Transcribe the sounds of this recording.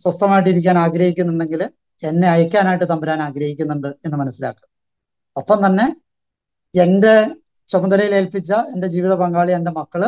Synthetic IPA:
swɐst̪ɐmaːjiʈ̬ːiɾik̬ʲːaːnaːɡɾɐhikʲːunːiɳɖe̞ŋɡil | e̞nːe̞ɐjɐkʲːaːnaːjiʈ̬ːɨt̪ɐmbɐɾaːnaːɡɾɐɦikʲːunːuɳɖɨe̞nːɨmɐnɐsːila̰ːkːum | opːɐmt̪ɐnːe̞ | ende̞ | t͡ɕomɐnd̪ɐlɐjile̞ːlpit͡ɕːɐe̞nde̞d͡ʑiːʋiðɐpɐŋɡaːɭiende̞mɐkːɐɭ

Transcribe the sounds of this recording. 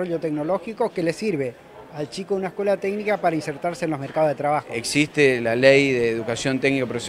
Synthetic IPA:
oʎot̪ekno̞lo̞xiko̞ke̞le̞siɾβe | alt͡ʃikounaeskwe̞lat̪eknikapaɾainseɾt̪aɾseːnlo̞zmeɾkaðozðet̪ɾaβ̞axoeksist̪elalejðeːðukasjont̪eknikapɾs

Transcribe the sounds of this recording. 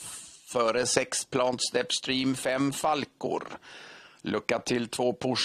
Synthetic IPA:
fœːɾəsɛkspʰlɑːnt̪st̪ɛpst̪ɾiːmfɛmfalkʊ̰ɾ | lʔɵkːat̪ʰːɪlt̪ʰvoːpʰʊʂ

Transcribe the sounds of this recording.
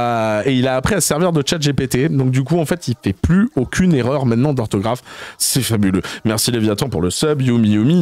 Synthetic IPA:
eilaːpχiasɛʁviʁd̪ət͡ʃat̪ʒepet̪ed̪ɔ̃k̚d̪yk̬uɑ̃fɛt̪ilfɛplyokʲʰyneʁœʁmɛ̃t̪nɑ̃d̪ɔʁt̪ɔɡʁafsɛfabylømɛʁsilevjat̪ɑ̃puʁləsœbjumijumi

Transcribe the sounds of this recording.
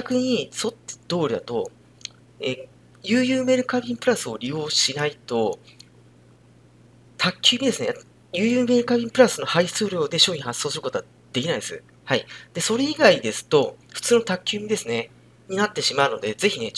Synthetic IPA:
akɯ̟ɲ̟iso̞t̪ːd̪̥o̞ːɾʲid̪a̰t̪o̞̰ | e | jɯ̟ːjɯːme̞ːɾɯ̟kabʲĩmpɯ̟ɾasɨo̞ɾʲijo̞ːɕinait̪o̞ | t̪ʰakʲːɨːmʲid̪e̞sɨnḛ | jɨːjɯːme̞ːɾɯ̟kabʲĩmpɯ̟ɾasɨno̞hai̥t͡sɨːɾʲjoːd̪e̞ɕo̞ːɲ̟ĩhasːoːsɨɾɯko̞t̪o̞a | d̪̥e̞kʲinaĩnd̪esɨ̰ | haid̪̥e̞so̞ɾe̞iɡaid̪e̞sɨ̥t̪o̞ɸɯ̟̥t͡sɨːno̞t̪akʲːɨːmʲid̪e̞sɨne | ɲ̟inat̪ːe̞ɕimaɯ̟nod̪e̞ze̞çine̞

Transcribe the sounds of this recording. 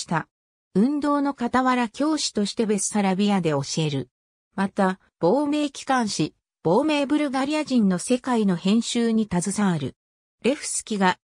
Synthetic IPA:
i̥t̪a | ɯ̟̃nd̪o̞ːno̞kat̪aβaɾakʲo̞ːɕi̥t̪o̞ɕi̥t̪e̞be̞sɨ̥saɾabʲiad̪e̞o̞ɕie̞ɾɯ̟ | mat̪a | b̥o̞ːme̞ːkʲi̥kãɰ̃ɕi | b̥o̞ːme̞ːbɯ̟ɾɯ̟ɡaɾʲijaʑĩnːo̞se̞kaino̞hẽ̞ɰ̃ɕɨːɲ̟it̪azɨsaːɾɯ̟̰ | ɾe̞ɸɯ̟̥sɨ̥kʲiɡa

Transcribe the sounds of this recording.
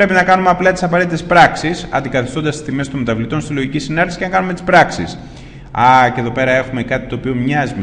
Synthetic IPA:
pɾe̞pinɐkɐnumeɐplɐt̪i̥sɐpɐɾe̞t̪it̪espɾɐksisɐ̰nd̪ikɐθist̪o̞nd̪ɐst̪i̥st̪imest̪onmet̪ɐvlit̪o̞nst̪izlo̞ʝicisinɐɾisi̥cenɐkɐnume̞t̪i̥spɾɐksḭs | ɐceðo̞pe̞ɾɐe̞xumekɐt̪i̥t̪o̞ːpio̞mɲɐzime

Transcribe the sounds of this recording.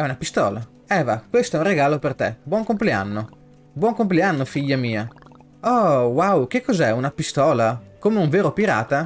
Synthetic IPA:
ɛunapist̪ɔ̰ːla | ɛːvakwest̪oɛũreɡaːlopert̪ɛbwɔŋkomplea̰nːo | bwɔŋkompleanːofiʎːamiːa | ɔwawkekːɔzɛunapist̪ɔːlakomeuɱveːɾopiɾa̰ːt̪a

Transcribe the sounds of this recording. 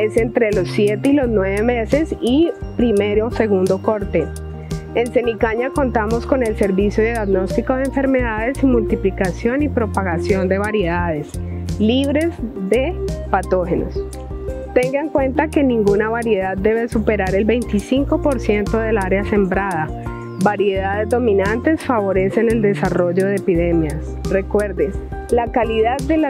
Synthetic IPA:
e̞se̞nt̪ɾe̞lo̞sːje̞t̪eilo̞znwe̞βe̞me̞se̞sipɾime̞ɾose̞ɣund̪o̞ko̞ɾt̪e̞ | ense̞nikaɲako̞nt̪amo̞sko̞ne̞lse̞ɾβisjoðeðaðno̞st̪iko̞ð̞eɱfe̞ɾme̞ðaðe̞simult̪iplikasjo̞nipɾo̞paɣasjo̞nd̪e̞βaɾje̞ðað̞e̞s | liβɾe̞zd̪e̞pat̪o̞xe̞no̞̰s | t̪e̞ŋɡaeŋkwe̞nt̪ake̞nĩŋɡunaβaɾje̞ðad̪d̪e̞βe̞supe̞ɾaɾe̞lbe̞jnt̪isiŋko̞po̞ɾsje̞nt̪o̞ðe̞laɾease̞mbɾaða | baɾje̞ðaðe̞zd̪o̞mĩnant̪e̞sfaβo̞ɾe̞se̞ne̞ld̪e̞saro̞ʝo̞ð̞eepiðe̞mjas | re̞kwe̞ɾd̪es | lakaliðaðːela

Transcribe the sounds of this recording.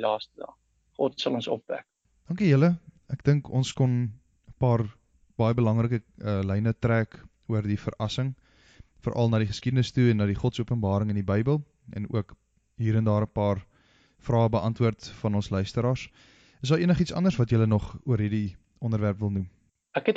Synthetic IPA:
lɑːstədɑ̰ː | χɔtsɐlˠɔnsɔ̰pvæ̰k̚ | d̥ɑŋkyjələ | æk̚d̥əŋkʰɔnskɔn | əpɑːr | b̥ɑjəbəlɐŋrəkəəlɛjnətræːk | uərdifə̰ɾɐsəŋ | fəɾʔɐ̰lˠnɑːdiχə̥skidənəstuɛnːɑːdiχɔtsuəpənbɑːɾəŋəndibəjbəlˠ | ɛ̰nṵək | ɦiːɾɛndɑːɾəpɑːr | frɑːəbəʔɐntvuərtfɐnɔnslœɥstəɾɑːrs | əsdɑːɾiənəχitsɐ̰ndərsvɐtjələnɔχuəɾɦirdi | ʔɔndəɾværpvəlˠnum | ækɛt

